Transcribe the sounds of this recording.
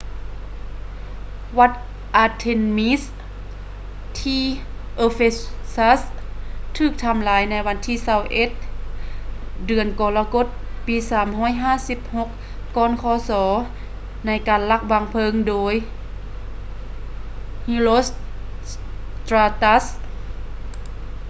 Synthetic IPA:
wa˧t̪̚ | ʔaː˧t̪ʰe˧nmi˦˥s | t̪ʰiː˧˩ʔoː˧fe˧sa˧˥st̪ʰɯː˧˩k̚t̪ʰa˧mlaː˨˦jna˧˥jwa˧˥nt̪ʰiː˧˩sa˧˩wʔe˧˦t̪̚ | dɯ˨˩ənkɔː˨˩laː˧ko˧˥˦t̪̚piː˨˧saː˨˦mɦɔː˧˥˨jɦaː˧˥˨si˧˥p̚ho˧˥k̚ː | ɔː˧˥nkʰɔː˧˦sɔː˩˦ | na˧˥jkaː˨nla˧˩k̚ba˧ŋpʰɤ˧˨ŋdoː˨˧˦j | hi˧˥lo˧˦ss | t̪ɾaː˧t̪a˧˥s

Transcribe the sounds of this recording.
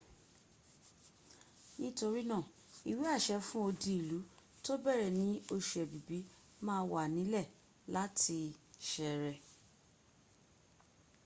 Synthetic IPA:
nĩ˦to˧ɾi˦nã˦˨ | i˨wi˦a˦˨ʃɛ˧fũ˦o˧di˧i˨lu˨˦ | to˦bɛ˦˨ɾɛ˨nĩ˨˦o˧ʃu˨ɛ˨bi˨bi˨˦ | mãː˦wa˨nĩ˨˦lɛ˦˨ | la˦tʰi˧ʃɛ˨ɾɛ˨

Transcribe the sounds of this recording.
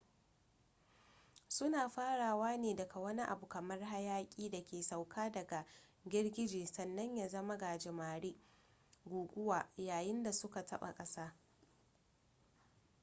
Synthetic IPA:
sʊ˦naː˨ɸaː˦ɽaː˨waː˦neː˨dɐ˨kʰa˨wɐ˦ni˦ʔa˨bu˨kɐ˨mɐ˦rɦa˦jaː˦kʲʼiː˦da˨kʲeː˨sa˨wkʰaː˦dɐ˨ɡa˨ɡʲɪ˦rɡʲɪ˦d͡ʒeː˨sɐ˨nːɐ˦ɲjaː˨zɐ˦ma˦ɡa˨d͡ʒɪ˨maː˨ɽi˦ | ɡʷuː˨ɡʷʊ˦waː˨jaː˨jɪ˦nda˨sʊ˦ka˨tɐ˦ɓa̰˨kʼɐ˦saː˦

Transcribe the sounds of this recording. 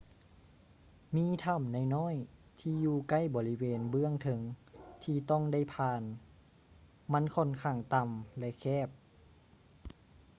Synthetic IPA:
miː˧˥˨t̪ʰa˧˩mna˧˨jnɔː˥˨j | t̪ʰiː˧juː˧ka˧˥˩jbɔː˧˦li˦˧weː˧nbɯ˧˥˨əŋt̪ʰɤ˧˦ŋt̪ʰiː˧t̪ɔ˧˥˩ŋda˧˥˩jpʰaː˧n | ma˧˥˨nkʰo˧˥˨nkʰaː˧˩ŋt̪a˧mlɛ˧kʰɛː˧˩p̚

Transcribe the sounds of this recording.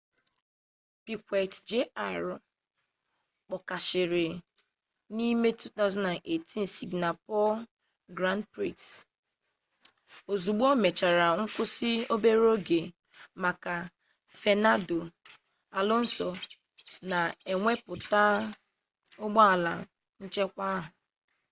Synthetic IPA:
pi˨kʷe˨td͡ʒe˦a˦˨ɾ | k͡pɔ˨ka˨ʃɪ˨ɾɪ˨ | ni˦me˦tu˦t̪a˦ʊza˦nda˨ne˨ti˦n̩˨si˨ɡna˨pɔ˦l | ɡɾa˦nd̚pɾi˦˨ks | o˨zu˨ɡ͡bo˦me˨t͡ʃa˨ɾa˨ŋ̩˦kʊ˦sɪ˦o˦be˦ɾo˦ɡe˨ | ma˨ka˨ | fe˨na˦do˨ | a˨lɔ˦n̩˦sɔ˨ | na˨e˨ŋʷe˦pʊ˨ta˦ | ʊ˦ɡ͡bɔ˦a˨la˨ | n̩˦t͡ʃe˦kʷa˦ɦʊ˨

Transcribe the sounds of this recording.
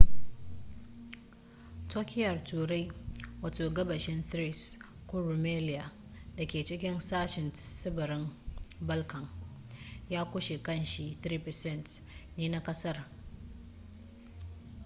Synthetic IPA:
tʰoː˦kʲɪ˦jɐ˨rtʰuː˨ɾa˦jwaː˨toː˨ɡɐ˦bɐ˨ʃɪ˦nθɾi˦s | kʷʊ˦ɾu˨meː˦lɪ˦ja˨ | da˨kʲeː˨t͡ʃɪ˦kʲɪ˦nsaː˦ʃɪ˨nsɪ˦bɐ˨ɾɪ˦mbɐ˦lkʰɐ˨ŋ | jaː˦kʷʊ˦ʃe˨kɐ˦˨nʃi˦θɾiː˦pɛ˨sɛ˦˨nt | neː˦na˦kʼɐ˦sɐ˦r

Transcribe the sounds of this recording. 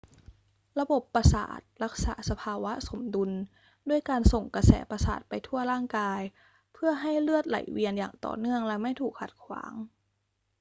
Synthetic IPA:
ɾa˧bo˨˩pːɾa˧sa̰ː˨˩t̪̚ɾa˦˥k̚sa̰ː˩˦sa˧pʰaː˧wa˦˥so˩˦mdu˧n | du˥˩əjkaː˧nso˨˩ŋka˧sɛ̰ː˩˦pa˧sa̰ː˨˩t̪̚pa˧jt̪ʰu˥˩ɐɾaː˥˩ŋkaː˧j | pʰɯ˥˩ɐɦa˥˩jlɯ˥˩ət̪̚la̰˨˩˦jwi˧ənja̰ː˨˩ŋt̪ɔ̰ː˨˩nɯ˥˩əŋlɛ˦˥ma˥˩jt̪ʰuː˨˩k̚ʰːa˨˩t̪̚kʰwa̰ː˩˦ŋ

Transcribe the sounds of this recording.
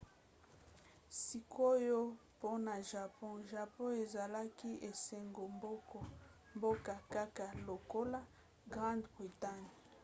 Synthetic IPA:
si˨ko˦jo˦po˦na˨ʒa˨pɔ̃˦ʒa˨pɔ̃˦e˨za˨la˦ki˦ʔe˨sɛ˨ŋɡo˨mbo˦kɔ˨ | mbo˦ka˨ka˦ka˨lo˨ko˦la˦ | ɡʁã˦ndbʁi˨ta˦ɲ˨

